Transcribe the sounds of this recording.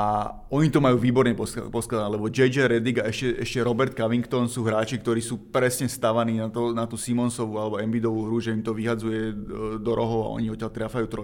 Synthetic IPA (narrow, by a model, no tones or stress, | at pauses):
a | ɔɲit̪ɔmajuːʋiːbɔɾɲɛpɔ̰pɔsklad̪aalɛbɔd͡ʒɛjd͡ʒaɾɛd̪iɡaɛʃcɛʔɛ̰ʃcɛɾɔbɛɾt̪̚kaʋiŋkt̪ɔnsuːɦɾaːt͡ʃik̚t̪ɔɾiːsuːpɾɛsɲɛst̪aʋaniːnat̪ɔnat̪uːsimɔnsɔʋualɛbɔɛmbid̪ɔʋuːɦɾuʒɛimt̪ɔʋiɦad͡zujɛd̪ɔɾɔɦɔʊa̰ʔɔ̰ɲiɔt̪cːalt̪ɾaːfajuːt̪ɾɔ